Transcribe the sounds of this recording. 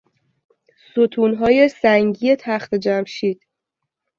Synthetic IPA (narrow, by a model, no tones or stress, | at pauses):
sot̪ʰuːnɦɒːjesæŋɟiːe̞t̪ʰæxt̪ʰed͡ʒæmʃiːd̪̥